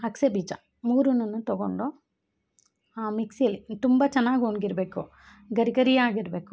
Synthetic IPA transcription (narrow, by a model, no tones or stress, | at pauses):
ɐksebiːd͡ʒɐ̰ | muːɾunɐnːut̪ɔɡo̰ɳɖu | aːmiksijɐlːit̪umbɐt͡ʃɛnːaːɡonɡiɾɐbe̞ːku | ɡɐɾiɡɐɾijaːɡiɾbe̞ːku